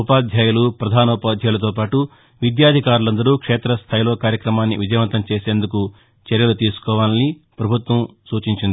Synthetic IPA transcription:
upaːd̪ʱjaːjulupɾɐd̪ʱaːnɐupaːd̪ʱjaːjlɐt̪̬oːp̬aːʈu | ʋid̪jaːd̪ʱikaːɾulɐnd̪ɐɾuːkʂeːt̪ɾɐst̪ʰaːjilo̞ːkaːɾjɐkɾɐmaːnːḭʋid͡ʒɐjʋɐnt̪ɐmt͡ʃe̞ːse̞ːnd̪uku | t͡ʃɐɾjɐlut̪iːsu̥kɔːʋaːli | pɾɐbʱut̪ʋɐmsuːt͡ʃiɲt͡ʃind̪i

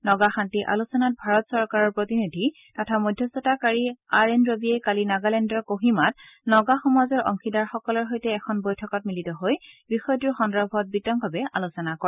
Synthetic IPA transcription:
nɔɡaxantiʔa̰lusɔnat̚bʱaɹɔtsɔɹkaɹɔɹpɹotinidʱi | tatʰamojdʱjɔsɔtakaɹiaɹenɹobiɛkalinaɡalɛndɔɹkoɦimat | nɔɡaxɔmazɔɹɔ̰ŋkidaɹxɔkɔlɔɹɦojtɛːkʰɔnbojtʰɔkɔt̚militɔɦojbixɔjtiɹxɔndɹɔbʱɔt̚bitɔŋbʱabɛalusɔnakɔ

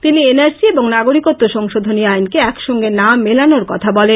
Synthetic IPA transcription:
t̪inienaɾsieboŋnaɡoɾikot̪ːoʃɔŋʃod̪ʱoniajnkeɛkʃɔŋɡenamelanoɾkɔt̪ʰabɔlen

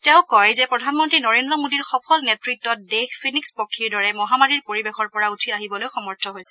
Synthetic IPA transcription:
tɛʊkɔjzɛpɹɔdʱanmɔntɹinɔɹendɹɔmodiɹxɔpʰɔlnetɹitːɔt̚dexpʰinikspɔkʰːiɹdɔɹɛmɔɦamaɹiɹpoɹibexɔɹpɔɹautʰiaɦibɔlojxɔmɔɹtʰɔɦojsɛ

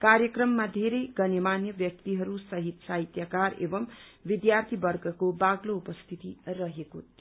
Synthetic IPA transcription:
kaɾjʌkrʌmːad̪ʱeɾʌjɡʌnemanjʌbjʌk̚t̪iɦʌɾusʌɦit̪saɦit̪jakaɾḛbʌmbid̪jart̪ʰibʌrɡʌkobaɡloupʌst̪ʰit̪irʌɦeko

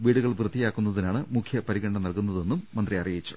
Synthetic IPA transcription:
ʋiːɽuɣɐɭprɐðijaːkːunːɐðinaːɳɨmukʰjɐpɐɾiɣɐɳɖɐnɐlkunːɐðe̞nːumːɐnd̪riɐrijit͡ɕːu̥

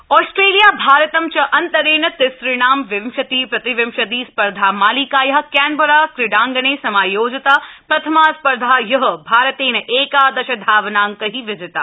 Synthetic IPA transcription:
ɔːsʈɾeːlijaːbʱaːɾət̪ɐmt͡ʃɐʔɐnt̪ɐɾeːnɐt̪ɪsɾiɳaːmʋɪmʃɐt̪iːpɾɐt̪iʋɪmʃɐd̪iːspɐɾd̪ʱaːmaːlikaːjɐɦɐkɛːnbɐɾaːkɾɪɖaːŋɡɐɳeːsɐmaːjoːd͡ʒɐt̪aːpɾɐt̪ʰɐmaːspɐɾd̪ʱaːjɐɦɐbʱaːɾɐt̪eːnɐʔeːkaːd̪ɐʃɐd̪ʱaːʋnaːŋkɐɦiʋɪd͡ʒɪt̪aː

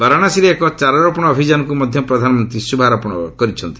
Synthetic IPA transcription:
baɾaɽ̃asiɾiekɔt͡ʃaɾɔɾɔpɔɽ̃ɔːbʱid͡ʒanɔkumɔd̪ʱjɔpɾɔd̪ʱanɔmɔnt̪ɾisubʱaɾɔpɔɽ̃ɔ̰kɔɾit͡ʃʰɔnt̪i̥

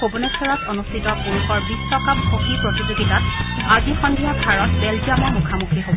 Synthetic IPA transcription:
obunɛsɔɹɔtonustʰitɔpuɹukɔɹbisːɔkap̚hoxipɹotizoɡitat̚ | bʱaɡixɔndʱijɔɡʱaɹɔt̚bɛld͡ʒiamɔɹmukʰamukʰiɦobɔ

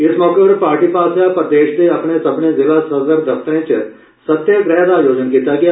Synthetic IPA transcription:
ɪsmɔːkəbɾpaːɾʈiːpaːsʰapɐd̪eːʃd̪eɐpnesɐbnezɪlasɐzəɾd̪ɐpt̪əẽt͡ʃ | sɐt̪jəɡɾɛːd̪ajoːd͡ʒənkiːt̪aɡɐja

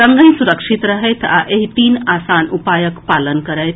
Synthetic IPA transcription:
ɾəŋɡəj̃suɾəkʃit̪ɾəɦejt̪ʰa̰ʔeɦit̪iːnaːsaːnupaːjəkpaːlənkəɾəjt̪ʰ

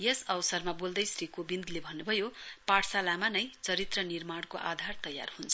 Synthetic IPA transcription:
jʌsʌwsʌrmabold̪ʌjsrikobind̪lebʱʌnːubʱʌjopaɽsalamanʌjt͡sʌɾit̪rʌnirmaɽkoʔa̰d̪ʱart̪ʌja̰rhunt͡sʰ

